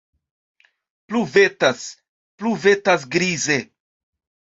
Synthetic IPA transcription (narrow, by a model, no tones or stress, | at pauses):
pluvetas | pluve̞tas̬ɡɾize